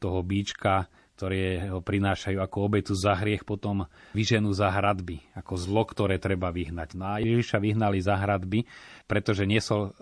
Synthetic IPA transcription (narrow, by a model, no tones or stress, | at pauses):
t̪ɔɦɔbiːt͡ʃka | k̚t̪ɔɾɛːɦɔpɾinaːʃajuːakɔɔbɛt̪uzaɦɾɪɛxpɔt̪ɔmʋiʒɛnuzaɦɾad̪biakɔzlɔkt̪ɔɾɛːt̪ɾɛbaʋiɦnaɟnɔajɛjɛʒiʃaʋiɦnalizaɦɾad̪bipɾɛt̪ɔʒɛɲɪɛsɔl